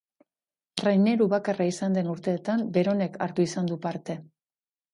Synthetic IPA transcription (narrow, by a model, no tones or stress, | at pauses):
rajne̞ɾuβakaraisand̪e̞nuɾt̪e̞ːt̪ambe̞ɾo̞ne̞ka̰ɾt̪uisand̪upaɾt̪e̞